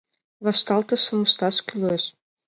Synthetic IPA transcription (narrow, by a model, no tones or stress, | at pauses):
βɑʃt̪ɑlt̪ɤ̆ʃɤ̆mə̆ʃt̪ɑʃkʲyleʃ